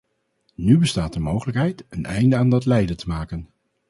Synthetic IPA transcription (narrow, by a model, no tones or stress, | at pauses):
nybəstaːtəɹmowχələkɦɛjtənʔɛ̰jndəaːndɑtlɛjdətəmaːkən